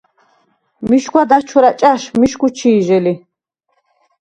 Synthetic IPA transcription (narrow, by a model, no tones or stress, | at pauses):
miʃkʷwad̪at͡ʃʰuɾat͡ʃʼaʃmiʃkut͡ʃʰiːʒɛli